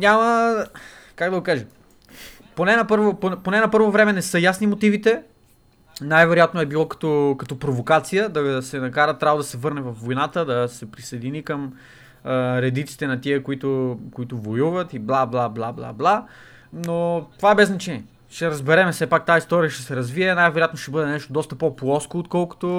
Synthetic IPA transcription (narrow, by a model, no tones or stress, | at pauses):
ɲʲamə | kaɡd̪ɐɡokaʒɛ | ponɛnɐpɤɾvopoponɛnɐpɤɾvovɾɛmɛnɛsɤjasnimot̪ivit̪ɛ | najvɛɾojat̪noɛbilˠɔkɐ̥t̪ɔkɐt̪ɔpɾovokat̪sijəd̪ɐsɛnɐkaɾət̪ːɾʲavd̪ɐsɛvɤɾnɛvɐfvojnat̪əd̪ɐsɛpɾisɐjd̪inikəm | ɾɛd̪it̪si̥t̪ɛnɐt̪iəkoit̪ʊkoit̪ʊvojuvət̪iblˠablˠablˠablˠa̰blˠa | not̪ovaɛbɛznɐt͡ʃɛniɛ | ʃt̪ɛɾɐzbɛɾɛmɛsɛpak̚t̪aist̪ɔɾiəʃt̪ɛsɛɾɐzviɛnajvɛɾojat̪noʃt̪ɛbɤd̪ɛnɛʃt̪od̪ɔst̪əpoplˠɔskoːt̪kɔlˠkʊ̥t̪o